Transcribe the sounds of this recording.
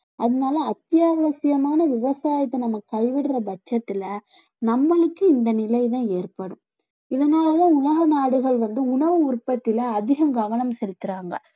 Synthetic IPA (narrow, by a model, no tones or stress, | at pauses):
ɐðɐnaːlɐɐt̪ːjaːʋɐsɪjɐmaːnɐʋɪʋɐsaːjɐt̪ːɐnɐmːɐkːɐɭʋɪɽrɐbɐt͡ʃːɐt̪ːɪlɐ | nɐmːɐɭɯkːɯɪnd̪ɐnɪlɐjðãːeːrpɐɽɯmm | ɪðɐnaːlɐlɐʊnɐɣɐnaːɽɯɣɐɭʋɐnd̪ɯʊɳɐʋɯʊɾpːɐt̪ːɪlɐːðɪɣɐmɡɐʋɐɳɐmsɛlɯt̪ːɯɾaːŋɡɐ̰